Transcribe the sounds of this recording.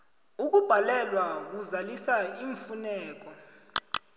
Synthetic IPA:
uk̬ub̥ʱalɛlwak̬uzalisaiɱfunɛːk̬ʼɔ

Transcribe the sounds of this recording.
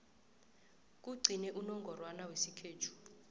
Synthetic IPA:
k̬ʼuɡ͡ǀʱinɛʔunɔŋɡʱɔrwanawesikʰeːtʰu̥

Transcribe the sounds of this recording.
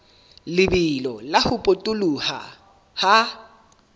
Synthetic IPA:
lɪbɪlɔlahʊpʼotʼʊluha̰ | ha

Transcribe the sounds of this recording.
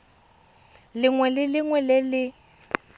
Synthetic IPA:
lɪŋwɛlɪlɪŋwɛlɪlɪ

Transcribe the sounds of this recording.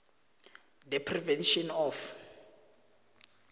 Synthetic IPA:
d̪ɛpʰrivɛnʃɔnɔf

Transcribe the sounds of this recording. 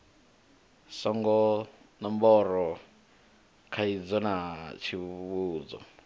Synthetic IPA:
sɔŋɡɔ | nɔmbɔɾɔ | kʰaid͡zɔnat͡ʃʰiβuːd͡zɔ̰

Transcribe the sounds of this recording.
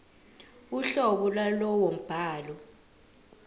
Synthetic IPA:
uɬɔɓɔlwalɔwɔm̩b̥ʱaːlɔ

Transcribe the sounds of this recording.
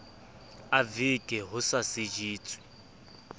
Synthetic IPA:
avikʼɛɦʊsasid͡ʒiːt͡sʼwi̥

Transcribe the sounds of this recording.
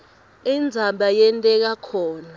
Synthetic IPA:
ind͡zʱaɓajɛntʼɛk̬akʰɔːna

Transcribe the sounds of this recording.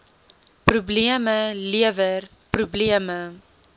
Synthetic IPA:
pɾubliəməliəvər | pɾubliəmə

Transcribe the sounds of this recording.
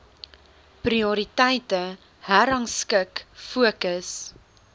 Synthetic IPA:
priɔɾitɛjtə | hæɾɐŋskəkfuəkəs

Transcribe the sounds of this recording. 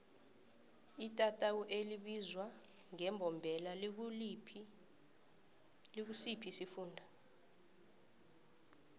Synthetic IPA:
itʼatʼawuʔeliɓizwaŋɛmbʱɔmbʱɛla | lik̬usipʰisifuːndʱa

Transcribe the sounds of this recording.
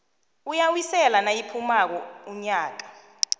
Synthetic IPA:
ujawisɛlanajipʰumak̬ɔuɲaːk̬ḁ

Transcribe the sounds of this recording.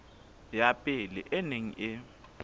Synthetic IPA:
japʼɪlɛ̰ʔeneŋ̩̰ʔɪ

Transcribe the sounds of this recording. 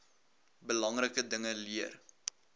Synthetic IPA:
bəlɐŋrəkədəŋəliər

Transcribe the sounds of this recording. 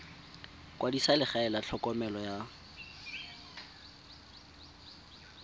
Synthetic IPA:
kwadisalɪχaɛlat͡ɬʰɔkɔmɛlɔja

